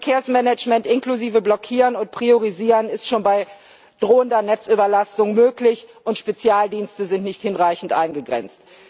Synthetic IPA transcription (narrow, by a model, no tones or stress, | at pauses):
fɛɐkʰeːɐsmɛnɛt͡ʃmɛntʔɪnkluziːvəblɔkʰiːʁənʊnt̚pʁ̥ioʁ̞iziːʁənɪstʃoːnbaɪ | d̥ʁoːəndɐnɛt͡sʔyːbɐlastʊŋmøːklɪçʔʊntʃpet͡sjaːldiːnstəzɪntnɪçthɪnʁaɪçn̩tʔa̰ɪnɡəɡʁɛ̰nt͡st